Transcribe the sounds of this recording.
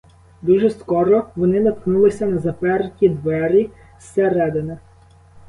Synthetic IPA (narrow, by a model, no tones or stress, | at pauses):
d̪uʒɛskɔɾɔʋɔnɪnɐt̪knulˠɪsʲɐnɐzɐpɛrkʲid̪ʋɛɾʲi | seɾɛd̪ɪnɛ